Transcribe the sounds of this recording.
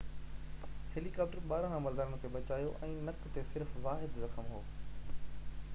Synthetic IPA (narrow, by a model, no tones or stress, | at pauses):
heːlikaːp̚ʈəɾɓaːɾãkːmɐld̪aːɾəñkʰeːɓɐt͡ɕaːjoʔɛ̃ːnɐkt̪esɪɾfʋaːɦɪd̪zɐxəmɦoː